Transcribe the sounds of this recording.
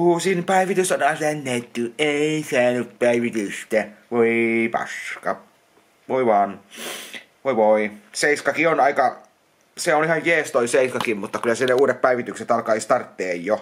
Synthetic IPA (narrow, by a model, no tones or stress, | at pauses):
uːsinpæiʋit̪ysɑnhɑːnst̪ænːæyt̪ːyeisæːnyppæiʋit̪yst̪æʋoipɑ̰skɑ | ʋoiʋɑːn | ʋoiʋoiseiskɑkionɑikɑ | seonihɑjjeːst̪oiseiskɑkimmut̪ːɑkylːˑæsinːeuːɾeppæiʋit̪ykset̪ɑlkɑist̪ɑrt̪ːeːjjo